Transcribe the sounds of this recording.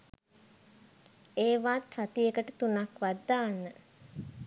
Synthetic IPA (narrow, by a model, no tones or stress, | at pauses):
eːʋaːt̪sat̪ijekəʈət̪unakʋad̪ːaːnːə